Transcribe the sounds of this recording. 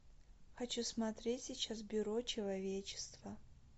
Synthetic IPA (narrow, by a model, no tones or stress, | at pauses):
xɐt͡ɕusmɐt̪ɾʲetʲsʲɪt͡ɕasbʲʊɾot͡ɕɪlˠɐvʲet͡ɕɪ̥st̪və